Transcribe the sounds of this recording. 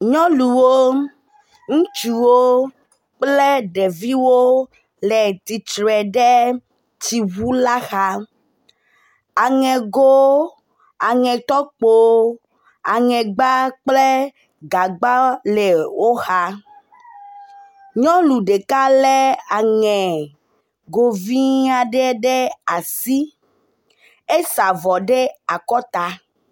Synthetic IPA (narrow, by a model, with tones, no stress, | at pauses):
ɲɔ̃˦lu˨wo˦ | ŋũ˦t͡ʃu˨wo˦ | k͡plɛ˦ɖɛ˨vi˦wo˦ | lɛ˨t̪i˨t͡ʃɾɛ˨ɖɛ˦ | ti˨wu˦la˦xa˦ | a˨ŋɛ̃˨ɡo˦ | a˨ŋɛ̃˨t̪ɔ˦k͡po˦ | a˨ŋɛ̃˨ɡ͡ba˦k͡ple˦ | ɡa˨ɡ͡ba˦le˨wo˦xa˦ | ɲɔ̃˦lu˨ɖe˨ka˦lɛ˦a˨ŋɛ̃˨ | ɡo˨vi˦a˨ɖɛ˦ɖe˦a˨si˦ | e˦sa˨vɔ˨ɖe˦a˨kɔ˦t̪a˨